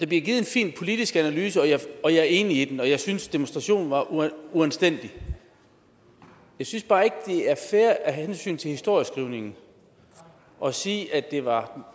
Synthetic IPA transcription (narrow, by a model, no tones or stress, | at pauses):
d̥æ̈b̥liɡ̥iːð̩ˠenfḭːnpʰo̝lid̥isɡ̥ænælyːsəɒ̽jɑɒ̽jɑ̈æɐe̝ːniid̥enɒ̽jɑ̈ɪsynsd̥emonsd̥ʁɑ̈ɕo̝̰ːnʋɑ̈ʔuuænsd̥en̰d̥i | jɑ̈ɪsynsb̥ɑ̈ːe̝ɡ̥əd̥e̝æɐfæːɐʔæɦæhensy̰ːnt͡sʰe̝lhisd̥o̝ɐjəsɡ̥ʁiʊ̰ne̝ŋn̩ | ʔɒ̽siːʔæd̥e̝ʋɑ̈